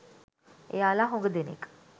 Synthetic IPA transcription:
ḛjaːlaɦõŋɡəd̪enḛkə̥

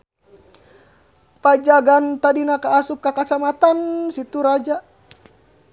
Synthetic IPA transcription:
pad͡ʒaɡant̪adinakaːsup̚kakat͡ʃamat̪ansit̪uɾad͡ʒa

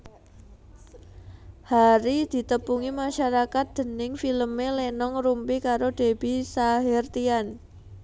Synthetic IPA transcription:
haɾid̪̥i̤t̪əpuŋimaʃaɾakat̪̚d̪̥ə̤nɪŋfiləmelenɔŋrumpikaɾod̪̥e̤b̥isaɦɪrt̪ian

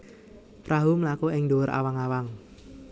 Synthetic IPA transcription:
pɾʔaɦumlakuɪŋdowəɾʔa̰waŋawaŋ

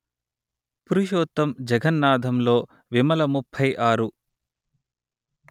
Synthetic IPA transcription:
puɾiʃɔːt̪ːɐmd͡ʒɐɡɐnːaːd̪ʱɐmlo̞ː | ʋimɐlɐmupʰːɐjʔaːɾu

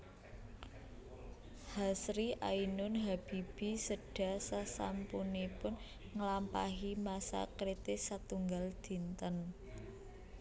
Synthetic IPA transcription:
hasɾiʔainʊnɦab̥ib̥i̤səɖ̥a̤sasa̰mpunipʊn | ŋəlampaɦimasa̰kɾit̪ɪsat̪uŋɡald̪̥i̤nt̪ən

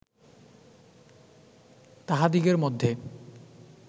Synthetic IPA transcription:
t̪aɦad̪iɡeɾmod̪ʱːe

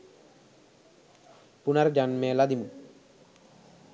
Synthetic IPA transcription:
punaɾd͡ʒanmeːlad̪imu

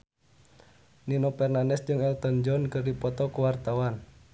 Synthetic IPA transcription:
ninɔpɛrnandɛsd͡ʒɨŋɛlt̪ɔnd͡ʒɔnkɨrdipɔt̪ɔkuwart̪awan

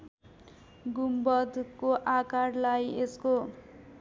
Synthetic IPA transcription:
ɡumbʌd̪ʱkoʔakarlajesko

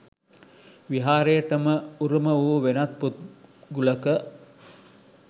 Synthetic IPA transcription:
ʋiɦaːɾeːʈəməuɾuməʋuːʋenat̪̚put̪̚ɡuləkə

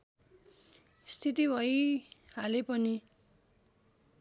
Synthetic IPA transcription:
st̪ʰit̪ibʱʌjhalepʌni

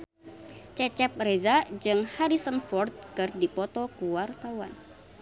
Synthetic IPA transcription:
t͡ʃɛt͡ʃɛp̚rezad͡ʒɨŋhaɾisənfɔrt̪̚kɨrdipɔt̪ɔkuwart̪awan

